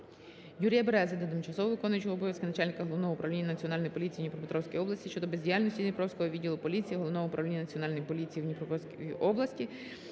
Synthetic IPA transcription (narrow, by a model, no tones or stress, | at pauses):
juɾʲijɐbeɾɛzʲɐd̪ɔt̪ɪmt͡ʃɐsɔʋɔʋɪkɔnʊjɐt͡ʃɔɦɔbɔʋʲjɐskɪnɐt͡ʃalʲnʲɪkɐɦɔlˠɔʋnɔɦɔʊpɾɐʋlʲinʲːɐnɐt͡sʲiɔnɑlʲnɔjipɔlʲit͡sʲijinʲipɾɔpɪt̪ɾɔwsʲkijɔblˠɐsʲtʲiʃt͡ʃɔd̪ɔbezʲdʲijalʲnʲɔsʲtʲizʲnʲɪpɾɔwsʲkɔɦɔʋʲidʲːilˠʊpɔlʲit͡sʲijiɦɔlˠɔʋnɔʋɔʊpɾɐʋlʲinʲːɐnɐt͡sʲiɔnɑlʲnɔjipɔlʲit͡sʲijiwnʲipɾɔpɔsʲkiiʔɔblˠɐsʲtʲi